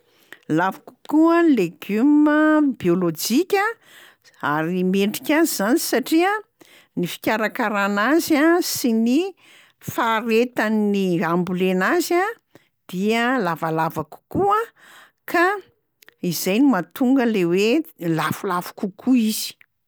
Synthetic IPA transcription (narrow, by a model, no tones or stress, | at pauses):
lavḁku̥kualeɡyməbiolod͡ʒikʲa | aɾiimeɳɖ͡ʐikʲazizanisaʈ͡ʂiə | nifi̥kʲaɾakaɾanazasini | faɾet̪aniambulenaza | d̪̥iəlavalavaku̥kuə | ka | izajnumat̪uŋɡəlewelafulafu̥kukʰuiz̥i̥